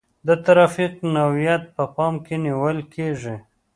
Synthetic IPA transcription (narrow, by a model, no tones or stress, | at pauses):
d̪ət̪aɾɑfiqnawijat̪̚pəpɑmkeniwəlkʰeʐi